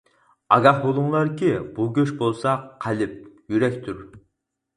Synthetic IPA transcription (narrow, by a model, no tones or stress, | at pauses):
ɑɡɑχbolˠʊŋlˠɑɾkʲibuɡʲøʃbolˠsɑqʰːælɪp̚jyɾɛkʲt̪ʰuɾ